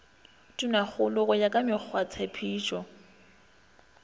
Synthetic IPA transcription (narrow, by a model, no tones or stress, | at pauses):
tʼunak͡xʊlʊɣʊjakʼamɪk͡xʰwat͡sʰepʰiːt͡ʃʼɔ